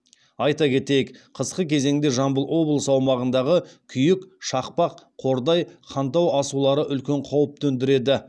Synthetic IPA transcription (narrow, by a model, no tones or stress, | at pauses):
ɑjt̪ɑkʲʰe̞t̪e̞jɪkqʰəsqəkʲʰe̞ze̞ŋd̪eʒɑmbəlˠwo̞blˠəsɑwmɑʁənd̪ɑʁəkʲʰʏjɪkʃɑqpɑqʰo̞ɾd̪ɑjqʰɑnt̪ɑwɑsulˠɑɾəʔʏlkʲe̞ɴqʰɑwəp̚t̪ʰɵnd̪ɪɾe̞d̪ɪ